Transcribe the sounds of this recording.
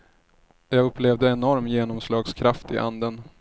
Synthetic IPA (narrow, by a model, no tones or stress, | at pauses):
jɑːɡɵpːleːvd̪əɛnɔɾmjeːnɔmslɑːɡskʰɾaft̪ɪ̰ʔa̰nd̪ən